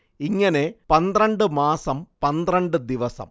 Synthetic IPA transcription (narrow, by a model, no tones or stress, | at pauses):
iŋːɐne̞pɐnd̪rɐɳɖɨmaːsɐmpɐnd̪rɐɳɖɨd̪iʋɐsɐ̰m